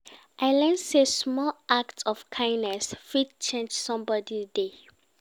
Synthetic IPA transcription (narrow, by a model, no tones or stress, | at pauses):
ʔaɪlɛ̃nsesmɔlaktɔfkʰãɪ̃ndnɛsfid̚t͡ʃẽnd͡ʒsɔ̃mbɔdide